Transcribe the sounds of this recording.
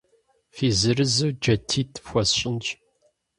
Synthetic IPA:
fizɨɾɨzɨd͡ʒɐtʰːit̪ʰfʷɐsɕʼɪnt͡ʃʼ

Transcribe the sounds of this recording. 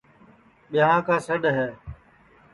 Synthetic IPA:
ɓɪɦãːkãːsəɗɦɛː

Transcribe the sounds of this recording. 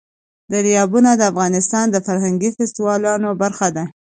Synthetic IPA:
d̪əɾijɑbunad̪əafɣɑnɪst̪ɑnd̪əfaɾɦaŋɡifɪst̪iwɑlɑnobaɾxad̪a

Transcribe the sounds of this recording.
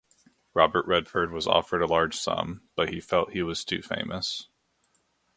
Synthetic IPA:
ɹɑbə˞ʔɹɛd̥fə˞d̚wʌzɔ̰fə˞ɾəlɑɹd̥ʒ̥sʌ̰̃mb̥ʌt̚hifɛlˠt̚hiwʌz̥tʰʉfḛ̃ɪ̃mʔɨs

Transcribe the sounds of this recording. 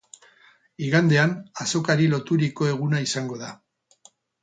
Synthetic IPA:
iɣand̪e̞anaso̞kaɾilo̞t̪uɾiko̞e̞ɣ̞unaisaŋɡo̞ða

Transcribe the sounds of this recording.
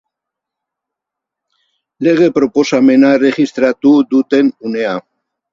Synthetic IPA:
le̞ɣ̞e̞pɾo̞po̞same̞nare̞ʝist̪ɾat̪uðut̪e̞nune̞a

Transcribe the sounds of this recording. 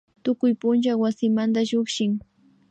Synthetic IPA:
t̪ʊkʊjpʊnt͡ʃawasɪmand̪aʒoχʃɪŋ

